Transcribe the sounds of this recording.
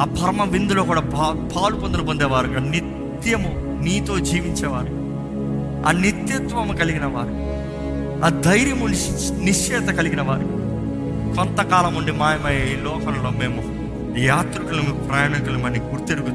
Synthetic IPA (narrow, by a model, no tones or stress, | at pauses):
aːpʰɐɾmɐʋind̪uloːkuːɽaːpʰaːlupond̪ɐlɐpond̪eːʋaːɾukɐnit̪jɐmu | niːt̪o̞ːd͡ʒiːʋiɲt͡ʃɛːʋaːɾu | a̰ːnit̪jɐt̪ʋɐmukɐliɡinɐʋaːɾu | aːd̪ɐjɾjɐmu | niʂɛːd̪ɐkɐliɡinɐʋaːɾḭ | kɔnt̪ɐkaːlɐmuɳɖimaːjɐmɐjeːlɔːkɐmlo̞ːme̞ːmu | jaːt̪ɾukulɐmipɾɐjaːɳikulɐmɐnːiɡuɾt̪eɽuɡut̪